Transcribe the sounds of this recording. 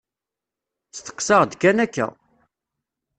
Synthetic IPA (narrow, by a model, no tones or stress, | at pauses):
t͡st̪ə̥qːsɑʁd̪kːænækːæ̰